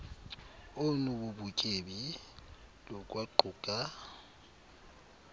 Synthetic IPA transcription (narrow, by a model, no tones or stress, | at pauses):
ʊnububukʼebi | lɔkʼwaǃuːkʼa